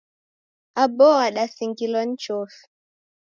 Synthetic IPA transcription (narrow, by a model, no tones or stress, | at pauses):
abɔaɗasiŋɡilɔn̩t͡ʃɔf